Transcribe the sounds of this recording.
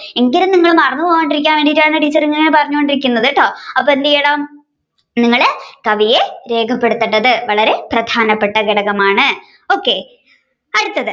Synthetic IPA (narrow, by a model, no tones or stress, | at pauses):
eŋɡɐlumniŋːɐɭumɐrɐnːupoːɣoɳɖiɾik̬ʲːaːnʋe̞ːɳɖijitːaːɳɨʈiːt͡ɕːɐɾiŋːɐŋːɐnepɐrɐɲːukoɳɖiɾik̬ʲːunːɐðɨʈːoːɐpːoend̪ijeːɽaːm | niŋːɐɭekɐʋije̞ɾe̞ːkʰɐpːe̞ɽut̪ːɐʈːɐðɨʋɐɭɐɾe̞prɐd̪ʱʰaːnɐpːe̞ʈːɐɡeɽɐɣɐmaːɳɨ | o̞ːkːe̞ | ɐɽut̪ːɐðɨ